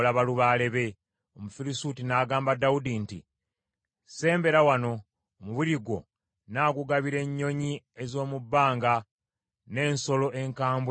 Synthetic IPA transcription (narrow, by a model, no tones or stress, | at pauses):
laβaluβaːle̞βe̞ | omufiɾisutinaːɡaːmbadaudintḭ | se̞ːmbe̞ɾawano̞ː | muβuɾiɡwo̞̰ | naːɡuɡaβiɾe̞ɲːo̞ɲi | e̞zo̞ːmubːaːŋɡa | ne̞ːnso̞lo̞ʔe̞ŋkaːmbw